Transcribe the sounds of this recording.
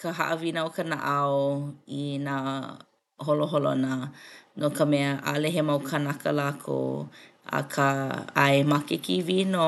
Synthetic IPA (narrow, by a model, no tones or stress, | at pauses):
kəɦa̰ʔəvinəokənaʔawina | holoɦolo̰nənokəmɛəʔa̰lɛɦemawkʰanakəlakʰo̰ | a̰kʰaa̰emakekivino